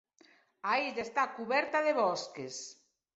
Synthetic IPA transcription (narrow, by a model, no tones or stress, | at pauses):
aeʎaest̪akuβɛɾt̪aðeβɔskes